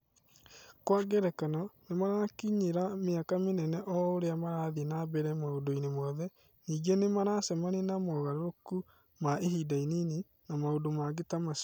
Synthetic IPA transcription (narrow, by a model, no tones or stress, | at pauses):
kwaɡɛɾɛkanɔnemaɾakiɲeɾameakamenɛnɛʔɔoɾeamaɾaːðinabɛɾɛmaodoinemɔðɛ | niːɡenemaɾasɛmanenamɔɣaɾɾoku | maʔeɦiːdainine | namaodomaɡetamas